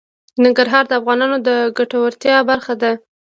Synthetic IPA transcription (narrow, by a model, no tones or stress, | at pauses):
nɪŋɡaɾɦɑɾd̪əafɣɑnɑnod̪əɡaʈawəɾt̪jɑbaɾxad̪a